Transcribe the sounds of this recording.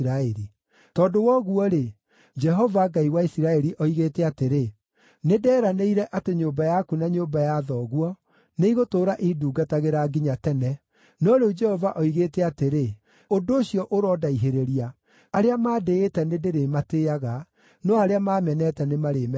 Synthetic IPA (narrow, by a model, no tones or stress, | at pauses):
ɾaɛɾi | tɔːdowɔɣuɔɾe | d͡ʒɛɦɔvaɡaiwaisiɾaɛɾiʔɔiɣeːtɛateɾe | nedɛːɾaneiɾɛʔateɲoːmbajakunaɲoːmbajaðɔɣwɔ | neiɣotoːɾaʔiduːɡataɣeɾaɡiɲatɛnɛ | nɔɾeud͡ʒɛhɔvaʔɔiɣeːtɛateɾe | odoːɕiɔʔoɾɔdaiɦeɾeɾia | aɾeamaːdeːtɛnedeɾemateːaɣa | nɔaɾeamaːmɛnɛtɛnemaɾeːm